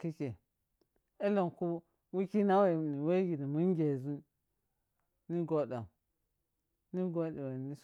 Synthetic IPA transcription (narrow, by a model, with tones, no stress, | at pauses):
ki˦ke˨ | e˦lo˨ŋku˦ | wu˦ki˦na˦we˨ni˨we˦ɡi˨ɾi˨mu˦ŋ˦ɡʲe˨zu˦ | ni˦ɡo˦da˨ | ni˦ɡo˦di˨we˨ni˦s